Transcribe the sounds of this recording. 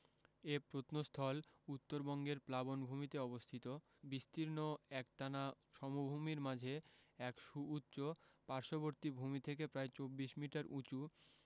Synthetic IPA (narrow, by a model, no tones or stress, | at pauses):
epɾot̪nost̪ʰɔlut̪ːoɾbɔŋɡeɾplabonbʱumit̪eɔbost̪ʰit̪o | bist̪ʰiɾnoɛk̚ʈanaʃɔmubʱumiɾmad͡ʑʱeɛkʃuutːɕopaɾʃoboɾt̪ibʱumit̪ʰek̬epɾaet͡ɕobːiʃmiʈaɾʔut͡ɕu